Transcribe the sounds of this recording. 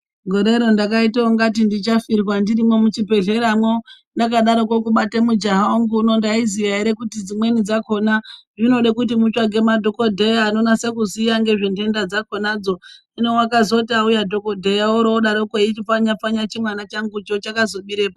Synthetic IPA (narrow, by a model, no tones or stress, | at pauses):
ɡʱo̞ɾe̞ɾondakaitaoŋɡat̬indit͡ʃafirwandiɾimwo̞mut͡ʃipe̞ɮe̞ɾamwo | ndakaɗaɾo̞kwokuɓatemud͡ʒaɦaŋɡuːno̞ndaizijaiɾekutid͡zimwe̞nid͡zako̞naʐino̞ɗekut̬imut͡ʃwaɡʱe̞madʱo̞ko̞dʱe̞jaːno̞nase̞kuzijaŋɡe̞ʐende̞ndad͡zako̞nad͡zo̞ | inewakazo̞taujadʱo̞ko̞dʱe̞jaoɾooɗaɾoukeit͡ʃifaɲap͡faɲat͡ʃimwanat͡ʃaŋɡut͡ʃot͡ʃakazo̞ɓiɾepa